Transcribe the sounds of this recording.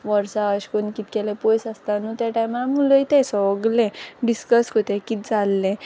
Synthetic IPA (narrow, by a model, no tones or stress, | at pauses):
ʋəɾsaəɕkonkit̪̚kɛlẽpojsəst̪anũt̪jaʈajmalamuləjt̪ɛsɔəɡlɛ̃ɖiskəskot̪ɛkit̪̚d͡zalːẽ